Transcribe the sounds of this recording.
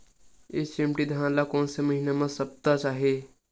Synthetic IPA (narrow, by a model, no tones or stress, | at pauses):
est͡ʃemʈid̪ʱəãlakoːnseməɦinemãsəb̚t̪at͡ʃaːɦe